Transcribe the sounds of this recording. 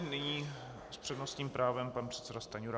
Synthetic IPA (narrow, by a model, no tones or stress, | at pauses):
nɪɲiː | spr̥ɛdnost̪ɲiːmpɾʔaːvɛmpanpr̥ɛt̪sɛdast̪aɲuɾa